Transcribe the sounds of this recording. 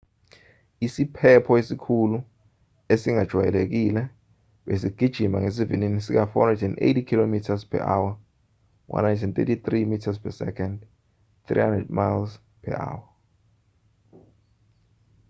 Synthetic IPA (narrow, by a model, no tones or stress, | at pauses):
isipʰɛpʰɔesikʰulu | esiŋad̥ʒ̥ʱwajɛ̰lek̬ilɛ | ɓesiɡ̥ʱid̥ʒ̥ʱimaŋes̬ivininisik̬afɔnɛdɛnʔḛjtikʰilomitʰaspʰɛ̰ʔawa | wʔa̰najntʰɛnt̪ʼḛtit̪rimitʰaspʰɛsɛ̰kʰɛnd | t̪rḭhandrɛd̚majls | pʰɛ̰ʔa̰wa